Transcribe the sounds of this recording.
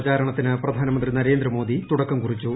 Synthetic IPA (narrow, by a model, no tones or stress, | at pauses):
t͡ɕaːɾɐɳɐt̪ːinɨprɐd̪ʱaːnɐmɐnd̪rinɐɾe̞ːnd̪rɐmo̞ːd̪ʱit̪uɽɐkːɐmkurit͡ɕːu